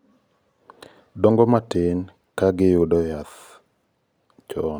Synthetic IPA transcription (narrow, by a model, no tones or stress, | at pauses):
dɔŋɡɔmatɪn | kaɡɪjʊdɔjat̪ | t͡ʃɔn